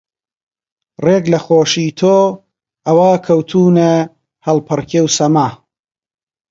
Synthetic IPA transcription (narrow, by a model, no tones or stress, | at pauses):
reɡlɐxoːʃiːt̪ʰoː | ɐwaːkʰɐwt̪ʰuːne | hɐlpʰɨrkʰewsɐmaː